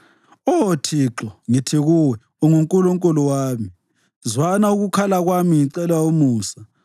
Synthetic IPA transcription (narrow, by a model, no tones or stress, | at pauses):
ɔtʰiǁɔŋitʰeɣuwɛ | ɔŋuŋkʼuloŋkʼɔlɔwaːmi | zwanauɣukʰalaɣwamiŋiǀɛlwaumuːsa